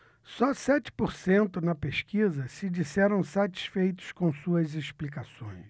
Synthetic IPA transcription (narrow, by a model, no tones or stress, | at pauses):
sɔsɛt͡ʃɪ̥poɾsẽnt̪ʊnɐpeʃkizɐsɪd͡ʒisɛɾɐ̃w̃sat͡ʃi̥sfejt̪ʊ̥skõw̃suɐzesplikasõ̰j̃s